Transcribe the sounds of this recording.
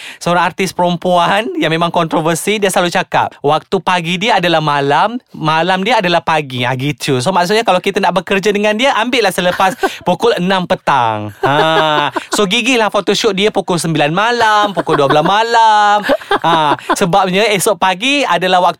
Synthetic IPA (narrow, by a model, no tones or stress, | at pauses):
səoɾaŋart̪ɪspəɾəmpuanjaŋmemaŋkɔnt̪ɾovərsidiəsəlalut͡ʃaka̰p̚wak̚t̪upaɡidiaadalahmalamːalamdiaadalahpaɡia̰ɡit͡ʃus̬omaʔks̬ut̪̚ɲakalawkit̪anaʔbəkərd͡ʒadəŋãndiaʔambɪʔlahsələpaspukʊlənãmpət̪a̰ŋa | soɡiɡilahfot̪oʃɔʔ̚diapukʊlsəmbilanmalampukʊlduabəlasmalamasəbap̚ɲaesɔʔ̚paɡiadalahwak̚